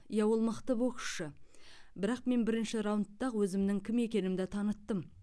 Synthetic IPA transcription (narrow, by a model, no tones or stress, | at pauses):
jɑwo̞lˠməqt̪əboqə̥ʃəbɪɾɑqme̞nbɪɾɪnʃɪɾawnt̪ːɑʁwɵzɪmd̪ɪŋkʲʰɪme̞kʲe̞nɪmd̪et̪ʰɑnət̪ːəm